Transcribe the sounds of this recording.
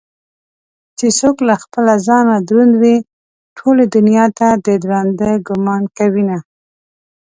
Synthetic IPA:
t͡ʃesoklaxpəlazɑnad̪ɾund̪wi | ʈʰoled̪ʊnjɑt̪ad̪əd̪ɾand̪əɡʊmɑnkawina

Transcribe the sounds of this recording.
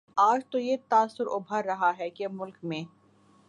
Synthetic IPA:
aːd͡ʒt̪ojet̪aːsʊɾʊbʱaɾːɐɦaɦɛkemʊlkmẽː

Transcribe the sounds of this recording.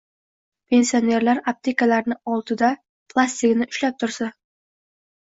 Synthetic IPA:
pʰe̞nsione̞ɾlaɾap̚t̪ʰekalaɾnɪɒlˠt̪ʰɪd̪a | pʰlˠasʲt̪ɪkʲnɪʔʊʃlap̚t̪ʰʊɾsa

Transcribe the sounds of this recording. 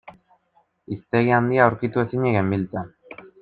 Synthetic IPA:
ist̪eɣiand̪iauɾkit̪uesiɲeɣembilt̪a

